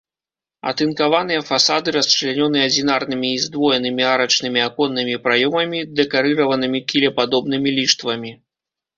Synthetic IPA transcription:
ɐ̰t̪ɨnkavan̪ɨjɐfasad̪ɨɾɐst͡ʂɨlʲɛnʲɔnɨjɛɐd͡zʲinarnɨmʲiːzd̪vɔjɛnɨmʲiaɾɐt͡ʂnɨmʲiakɔnːɨmʲipɾajɔmɐmʲid̪ɛkaɾɨɾɐvɐnɨmʲikʲilʲɛpad̪ɔbn̪ɨmʲilʲiʂt̪vɐmʲi

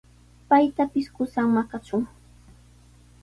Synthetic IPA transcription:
pajt̪apɪskʊsaŋmakat͡ʃʊŋ

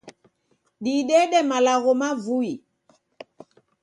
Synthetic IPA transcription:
ɗiɗɛɗɛmalaɣɔmavui

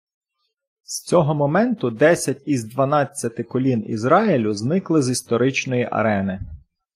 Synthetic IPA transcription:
st͡sʲɔɦɔmɔmɛnt̪ʊd̪ɛsʲɐtʲizd̪ʋɐnɑt͡sʲːɐt̪ɪkɔlʲinḭzɾɑilʲʊznɪklˠɪzist̪ɔɾɪt͡ʃnɔjiʔɐ̰ɾɛnɪ

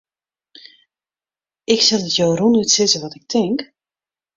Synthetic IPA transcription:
ʔɪksɛlˠdətjoːrunytsɪzəʋɔtɪk̚tʰɪŋk

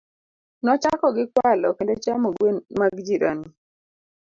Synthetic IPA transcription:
nɔt͡ʃakɔɡɪkwalɔkendet͡ʃamoɡwenmaɡd͡ʒiɾa̰ni

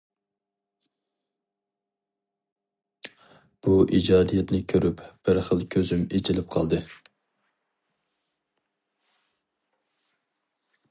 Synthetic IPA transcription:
b̥uʔid͡ʒɑːd̪ijɛt̪nɪkʲʰøɾypb̥ɪɾχəlˠkʲʰøzymet͡ʃʰilɪp̚qʰɑ̰lˠd̪ɨ

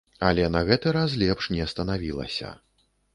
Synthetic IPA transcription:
ɐlʲɛnɐɣɛt̪ɨɾas̬lʲɛpʂnʲɛɐst̪ɐnavʲilˠɐ̰sʲɐ̰

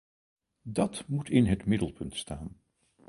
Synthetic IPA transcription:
dɑtmutʰɪnɦətmɪdəlˠpʰɵntstaːn

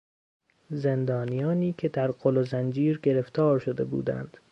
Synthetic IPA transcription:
ze̞nd̪ɒːnijɒːniːkʲʰe̞d̪æɾɢolozænd͡ʒiːɾɡe̞ɾe̞ft̪ʰɒːɾʃod̪e̞bṵːd̪æ̰nd̪̥

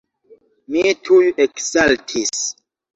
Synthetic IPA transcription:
mitʰujeksaltʰis

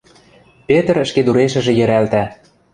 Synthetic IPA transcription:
pet̪ə̆ɾə̆ʃked̪uɾeʃə̆ʒĕjɘ̆ɾælt̪æ

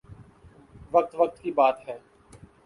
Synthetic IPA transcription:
ʋɐk̚t̪ʋək̚t̪kibaːt̪ɦɛː

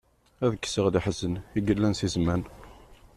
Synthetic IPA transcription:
æðəkːsəʁliħəzəniɡəlːænsizmæn

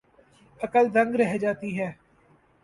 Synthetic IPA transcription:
əkəld̪ə̃ŋɡɾɛɦd͡ʒaːt̪iɦɛː

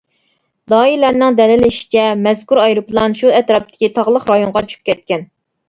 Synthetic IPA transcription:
d̪ɑːilɛɾnɪŋd̪ɛlɪlɪʃi̥t͡ʃʰɛmɛz̥kuɾɑjɾuplˠɑnʃuɛt̪ɾɑp̚t̪ʰɪ̥kʲit̪ʰɑʁlˠəχɾɑjoŋʁɑt͡ʃʰy̥p̚kʲɛt̪̚kʲɛn

